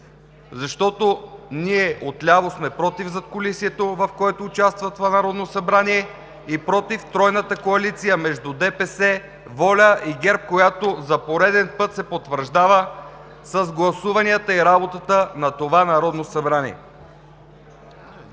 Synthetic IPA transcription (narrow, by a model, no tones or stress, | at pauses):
zɐʃt̪ɔt̪oniɛʔot̪lʲavosmɛpɾɔt̪ivzɐt̪̚kolisiɛt̪ovɐfkoɛt̪oːt͡ʃast̪vət̪ovanɐɾɔd̪nosɐbɾaniɛ | ipɾɔt̪ift̪ɾɔjnət̪əkoɐlit̪sijəmɛʒd̪ud̪ɛpɛsɛ | vɔlʲəʔiɡɛɾp̚kojat̪ozɐpoɾɛd̪ɛnpɤt̪sɛpot̪vəɾʒd̪avə | səzɡlˠɐsuvɐnijət̪əiɾabot̪ət̪ənɐt̪ovanɐɾɔd̪nosɐbɾanḭɛ̰